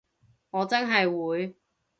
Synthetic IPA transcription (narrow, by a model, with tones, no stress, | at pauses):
ŋɔː˨˧t͡sɐ˥nɦɐ˨jwuː˨˧j